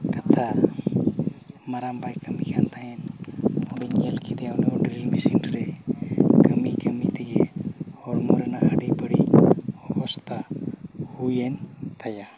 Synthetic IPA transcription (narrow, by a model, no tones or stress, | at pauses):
kat̪ʰa | maɾambajkəmikant̪aɦɛnɔɖiɲɛlkid̪ɛanɛɔɖɾilmisinɾɛ | kəmikəmit̪ɛɡɛhɔɾmɔɾɛnaʔəɖibəɽiɔʔɔst̪ahujɛnt̪aja